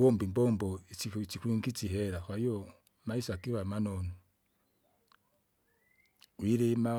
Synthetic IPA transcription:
wombimbɔmboit͡sikwiŋɡit͡siɦeɾaxwajo | maisakiβamanonu | wiɾema

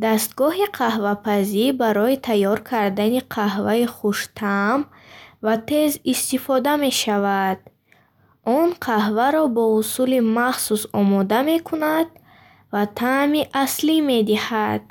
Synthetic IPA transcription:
d̪ast̪ɡɔɦiqʰahvapʰazibaɾɔit̪ʰajːɔɾkʰaɾd̪aniqʰahvaiχuʃt̪ʰam | vat̪ʰe̞zist̪ifɔd̪ame̞ʃavad̪̥ | ʔɔnqʰahvaɾɔbɔusulimaχsusɔmɔd̪ame̞kʰunad̪̚ | vat̪ʰamiʔaslime̞d̪ihad̪̥̚

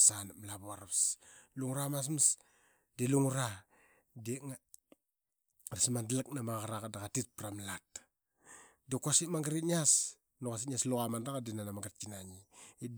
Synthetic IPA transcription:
sanmlaβuaɾaβsluŋuɾamas̬ms | deluŋuɾa | deŋa | ɾasmandlak̚namaɣaɾakadaɣatit̚pɾamlat | dekasimaŋɡɾitɲas | nuɣas̬iɲasluɣamandaɣadenanamaŋɡɾt̚kinaɲi

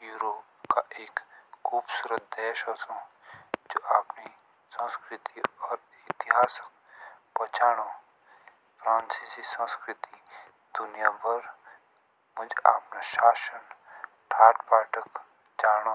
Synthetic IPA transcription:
juːɾoːp̚kaʔeːkxuːbsuːɾət̪̚d̪ɛːʃoːsõ | d͡ʒoːʔaːpni | sə̃skɾɪt̪iɔːɾɪt̪ɪɦaːsək̚ | pɔt͡ʃʰaːɽ̃o | pɾaːnsisisə̃skɾɪt̪i | d̪̥ʊnijaːbɐɾ | mʊd͡ʒa̰ːpnaʃaːʃən | ʈʰaːʈpaːʈək | d͡ʒaːño

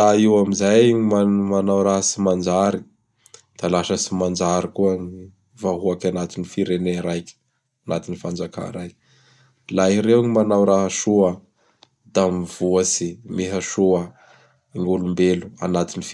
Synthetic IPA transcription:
aiwamizajmamanawɾaɦəsimand͡ʒaɾi | d̪̥alaʃəsimand͡ʒaɾikuaŋi | vaɦuakʲanat̪inifiɾeneɾajk | ana̰t̪inifand͡ʒaka̰ɾajk | laiɾeɲimanawɾaɦaʃuə | d̪̥amiv̥uəsimeɦaʃuə | ŋulumbelua̰nat̪inif

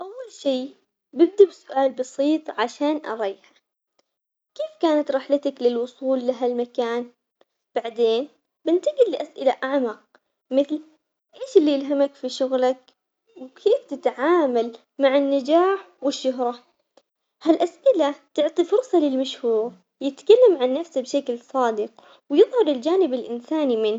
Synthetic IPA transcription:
ʔawːalʃiː | bɪb̚d̪absʊʔaːlbɑsiːt̪ˤʕaʃaːnʔɑ̰ɾˤɑjħa | keːfkaːnat̪ɾˤɪħlat̪aklɪlwʊsˤuːlːaɦalmakaːn | b̥aʕd̪eːn | bɪnt̪aɡiliʔasʔɪlaʔaʕmɑq̚ | mɪθl | ʔeːʃɪlːijɪlɦamakfiʃʊɣlak̚ | wkʰeːft̪ɪt̪ʕaːmal | maʕɪnːad͡ʒaːħ | wɪʃːʊɦɾˤɑ | halʔasʔɪlat̪ʊʕt̪ˤifʊɾˤsˤɑlɪlmaʃhuːɾ | jɪt̪kalːamʕanːafsabʃaklsˤɑːd̪ɪq | wjɨðˤhɑɾˤɪld͡ʒaːnɪbɪlʔɪnsaːnimɪn

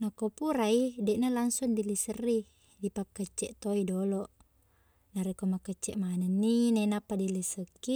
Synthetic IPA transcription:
nakopuɾaidɛʔnalaŋsundilisərːi | dipakːət͡ʃːɛʔt̪oidolɔʔ | naɾekomakːət͡ʃːɛʔmanənːinenapːadilisəkːi

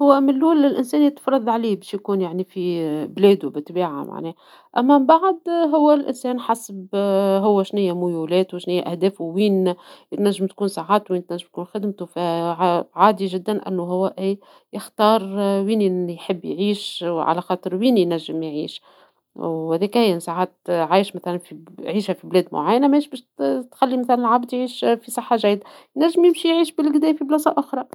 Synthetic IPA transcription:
hʊwːæmɪlːuːlɪlʔɪnsɛːnjɪt̪fɾˤɑd̪ˤʕaliːbɛːʃjkuːnjaʕnifiblɛːd̪ubɪt̪ːbiːʕa̰ma̰ʕnɛː | ʔæmːæbaʕd̪ɦʊwːælʔɪ̰nsɛːnħasbɦʊwːæʃnɪjːæmʊjuːlɛːt̪wɪʃnɪjæʔæhd̪ɛːfwwiːnt̪næʒːəmt̪̚kuːnsaʕaːt̪wiːnt̪næʒːɪmt̪̚kuːnxɪd̪mt̪ufæʕaʕaːd̪iʒɪd̪ːænʔɪ̰nːuɦʊwːæʔiː | jɪxt̪ɑːɾˤwiːnjħɪbːjʕiːʃʕa̰læxɑːt̪ˤɨɾwiːnjnæʒːəmjʕḭːʃ | whæðɛːkhæjːɪnsˤaʕaːt̪ʕaːjʃmæθælænfiʕiːʃhæfiblɛːd̪mʊ̰ʕajːænæmɛːʃbɛːʃt̪xælːimæθælænɪlʕabd̪jʕiːʃfisˤɑħːaʒæjːd̪a | jnæʒːɪmjɪmʃijʕiːʃbɪlɡd̪æːjfiblɑːsˤɑʔʊxɾˤɑ

